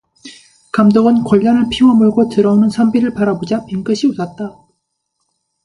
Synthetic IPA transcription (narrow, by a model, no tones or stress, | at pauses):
kamdʌɡɯnkwʌʎːʌnɦɯɭpʰiwʌmɯɭɡotɯɾʌonɯnsʰʌmbiɾɯɭpaɾabod͡ʑapiŋk͈ɯɕʰiusʌt̚t͈a